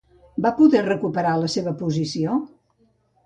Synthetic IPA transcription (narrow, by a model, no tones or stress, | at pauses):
bapuðɛrəkupəɾaləseβəpuzisio